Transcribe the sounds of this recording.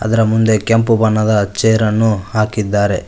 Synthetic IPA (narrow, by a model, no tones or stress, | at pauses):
ɐ̰d̪ɐɾɐmund̪e̞kempubɐnːɐd̪ɐt͡ʃeːɾɐnːuhaːkid̪ːaːɾe̞